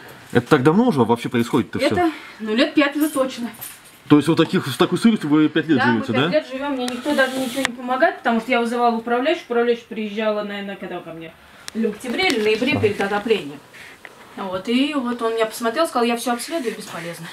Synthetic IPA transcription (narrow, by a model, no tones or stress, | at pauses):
ɛ̰t̪ə̥t̪ak̚d̪ɐvno̞ʊʐəvɐpɕːe̞pɾəɪsxo̞dʲɪt̪ɛt̪əɛst̪ənolʲe̞t̪̚pʲæt̪ʲvʲɨt̪ot͡ɕnə | t̪oɪstʲvot̪t̪ːɐkʲixt̪ɐkojsɨɾɨsʲt̪ʲɪvɨpʲætʲlʲetd̪ʐɨvʲotʲːɪd̪alʲet̪ʐɨvʲomːnʲenʲɪk̚t̪od̪aʐɨnʲɪt͡ɕɪvonʲɪpəmɐɡaɪt̪̚ʲpə̥t̪ɐmuʂt̪əjavɨzɨvalˠəʊpɾɐvlʲæjʉɕːʊpɾɐvlʲæʏɕːʊ̥pɾʲɪjɪʑːalˠənɐvʲenəkɐɡd̪akɐmnʲe | lʲɪəktʲɪbɾʲeilʲɪnəjɪbɾʲepʲɪɾʲɪd̪ɐd̪ɐplʲenʲɪjəm | vo̞t̪ivo̞t̪o̞nmʲɪnʲapə̥smɐt̪ɾʲelˠskzɑlˠjafsʲoaɐksʲlʲe̞d̪ʊjʊbʲɪspɐlʲeznə